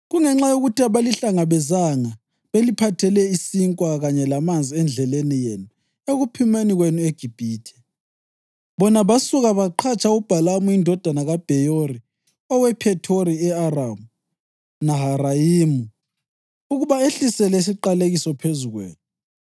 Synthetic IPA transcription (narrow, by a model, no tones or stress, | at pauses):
ɣuŋɛŋ͡ǁajoɣutʰiaβaliɬaŋaβɛzaŋa | βelipʰatʰɛlɛisiŋkʼwaɣaɲɛlamand͡zʱiɛnd͡ɮʱɛlenijenu | eɣupʰimeniɣwenueɡ̥ʱib̥ʱiːtʰɛ̥ | βɔnaβasuɣaβaǃʰat͡ʃʰʼaub̥ʱalamuindʱɔd̥ʱanaɣab̥ʱɛjori | ɔwɛpʰɛtʰoɾiɛaramu | naɦarajiːmu | uɣuβaeɬisɛlɛis̬iǃaleɣisɔpʰezuɣwḛːnu